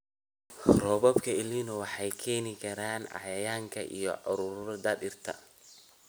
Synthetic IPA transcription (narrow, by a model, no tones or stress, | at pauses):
rɔːβɔbkʰɐɪliːnʊwɑħɑjkʰɛːnɪkʰɐɾaːnʕɑ̰jɐjaːŋkʰɐ̰ʔḭjɔ̰ʕʊɾʊɾɾd̪ɐdɪrt̪ʰɐ̰